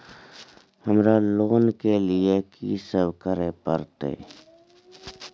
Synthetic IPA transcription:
həmɾaloːnkeliekḭːsəbkəɾepə̰ɾt̪ḛː

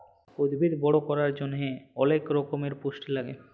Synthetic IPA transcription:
od̪bʱid̪bɔɽokɔɾaɾd͡ʑonɦeɔlekɾɔkomeɾpoʃʈilaɡḛ

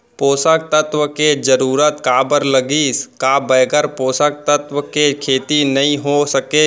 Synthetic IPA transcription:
poːsək̚t̪ət̪ʋəked͡ʒəɾuːɾət̪kaːbəɾləɡiːskabəːɡəɾpoːsək̚t̪ət̪ʋəkekʰeːt̪inɐɦĩɦosəkeː

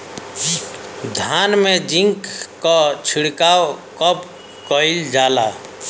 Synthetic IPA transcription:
d̪ʱanmed͡ʒiŋkkɔt͡ʃʰiɽkawkəp | kəjld͡ʒala

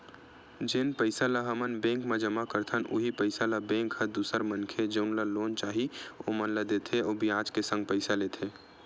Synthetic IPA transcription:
d͡ʒeːnpəɪsalaɦəmənbẽːŋkmed͡ʒəmakəɾt̪ʰənʔuɦipəɪsalabẽːŋkhəd̪uːsəɾmənkʰed͡ʒəʊnlaloːnt͡ʃaːɦiomənləd̪et̪ʰeobʱiaːd͡ʒkesə̃ŋɡ̚pəɪsaleːt̪ʰe

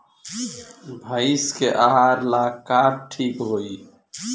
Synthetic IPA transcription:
bʱaiskeʔaɦaːɾlaːkaːp̚ʈʰiːkɦoːi

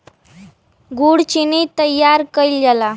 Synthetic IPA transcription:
ɡuɽt͡ɕinit̪əjːaɾkəild͡ʑala

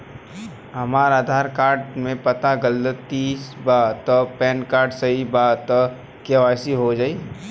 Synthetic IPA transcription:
ɦɐmaːɾaːd̪ʱaːɾkaːɾɖmẽpɐt̪aɡəlːət̪isbaːt̪ɔpɛ̃ːnkaːɾɖsɐɦibaːt̪ɔ | keʋaːsiɦod͡ʒaːi

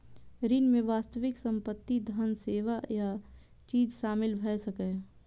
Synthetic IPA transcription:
ɾinmẽʋaːst̪əʋɪksə̃mpət̪ːid̪ʱənseːʋaja | t͡ʃiːd͡ʒʃaːmɪlbʱɛsəkɛ

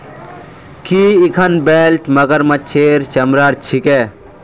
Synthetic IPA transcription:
kiikʰɐnbeːlʈmɐɡəɾmɐt͡ʃʰeːɾt͡ʃɐmɾaɾt͡ʃʰike

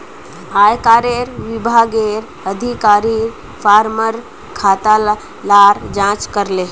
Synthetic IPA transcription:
aːjkaːɾeːɾʋɪbʱaːɡeɾ | əd̪ʱikaːɾiɾ | pʰaːɾməɾ | kʰaːt̪al | laːɾd͡ʒãːt͡ʃkəɾle

